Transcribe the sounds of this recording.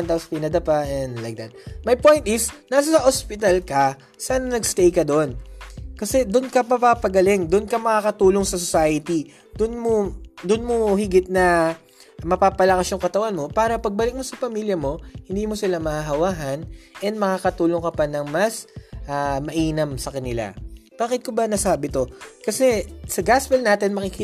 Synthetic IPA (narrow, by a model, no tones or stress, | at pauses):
nt̪ɐwspinɐd̪ɐpaɛnd̪lajk̚d̪ɐt̪̚mɐjpo̞jnt̪̚ʔɪsnaːs̬ɐsɐʔospɪt̪ɐlkɐ | saːnɐnɐɡst̪ɛjkɐd̪oʔonkɐsɛd̪ʊnkɐpapapɐɡɐlɪŋd̪ʊnkɐmɐkaːkɐt̪uːlo̞ŋsɐsosaːjɐt̪i | d̪ʊnmod̪ʊnmohɪɡɪt̪̚nɐ | mɐpaːpɐlɐkɐsjʊŋkɐt̪ɐwanmo̞paːɾɐpɐɡ̚bɐlɪk̚mo̞sɐpɐmiljɐmo̞hɪnd̪iːmosɪlamɐhaɦɐwaːɦɐnʔɛnd̪mɐkaːkɐt̪uːloŋkɐpɐnɐŋmɐsʔamɐʔiːnɐmsɐkɐnɪla̰b̥aːkɪt̪̚kobɐnɐsaːbɪt̪o̞kɐsɛsɐɡaspɛlnaːt̪ɪnmɐkɪk